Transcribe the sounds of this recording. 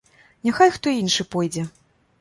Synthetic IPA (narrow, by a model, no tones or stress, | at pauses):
nʲaxajxt̪ɔinʂɨpɔjd͡zʲɛ